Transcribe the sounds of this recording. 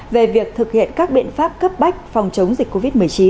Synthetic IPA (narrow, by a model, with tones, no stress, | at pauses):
ve˨˩vi˨˩ək̚t̪ʰɨ˨˩k̚hḭ˧˨ənkaː˦˥k̚ɓḭ˧˨ənfaː˦˥p̚kə˦˥p̚ɓa˦˥jk̟̚fa˨˩wŋ͡mt͡ɕə˨˦wŋ͡mzi˨˩k̟kːo˧vi˦˥t̚mɨ˨˩əjt͡ɕi˨˦n